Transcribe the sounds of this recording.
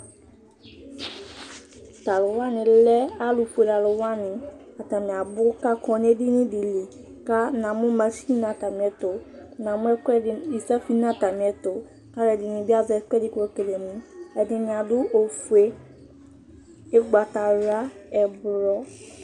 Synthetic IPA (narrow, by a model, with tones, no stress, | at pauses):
ta˨lʊ˨wa˦nɪ̃˨lɛ˦a˦lʊ˨ɸu˨e˨da˨lʊ˨wa˦nɪ̃˨a˨ta˨mɪ̃˨a˨bʊ˦ka˦kʰɔ̃˨n˦ɛ˦dɪ˦nɪ̃˦di˨li˨ | ka˦nã˨mʊ̃˦mã˨si˦nã˨ta˨mɪ̃˨ɛ˨tʊ˨nã˨mʊ̃˦ɛ˦kɛ˦ɪ˨i˨sa˦fi˦nã˨ta˨mĩ˨ɛ˨tʊ˨ | ka˦lɛ˨dɪ˨nɪ̃˨bi˦a˦zɛ˨ɛ˦kɛ˦dɪ˦kɔ˦ke˨le˨nũ˨˦ɛ˨dɪ˨nɪ̃˨ã˨dʊ˦o˨fu˨e˦ | ɛ˦ɡ͡ba˨ta˨ɾa˦ɛ˨bɾɔ˦